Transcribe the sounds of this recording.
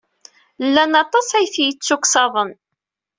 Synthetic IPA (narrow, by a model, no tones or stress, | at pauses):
lːænɑt̪ˤɑsæjθjət͡sːukːsɑðˤən